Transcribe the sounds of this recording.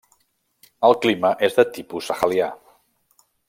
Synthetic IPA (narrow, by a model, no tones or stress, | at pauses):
əlˠkliməʔezðət̪ipusəxəlja